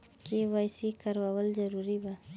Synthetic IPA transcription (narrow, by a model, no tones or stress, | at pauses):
kewajsikaɾwawəlzaɾuɾiba